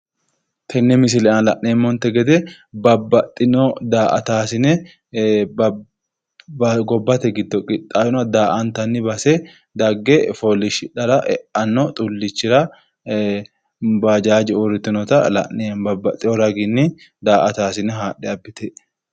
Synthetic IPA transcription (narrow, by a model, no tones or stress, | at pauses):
t̪ʰɛnːɛmɪs̬ɪlɛɐnlɐʔneːmːɔnt̪ɛɡɛd̪ɛ | bɐbɐt̪ʼːɪnɔd̪aːʔɐ̰t̪aːsɪnɛ | ɡɔbːɐt̪ɛɡɪd̪ːɔkʼɪt̪ʼːaːjɪnɐd̪aːʔɐnt̪ɐnːɪbɐsɛ | d̪ɐɡːɛfɔlɪʃɪᶑɐɾɐʔɛ̰ʔɐnːɔt̪ʼʊlːɪt͡ʃːɪɾɐ | bɐd͡ʒaːd͡ʒɛʊɾɪt̪ːɪnɔt̪ɐlɐ̰ʔnɛnbɐbːɐt̪ʼːɪɔɾɐɡɪnːɪ | d̪aːʔɐt̪aːsɪnɛɦaːɗɛɐbːɪt̪ɛ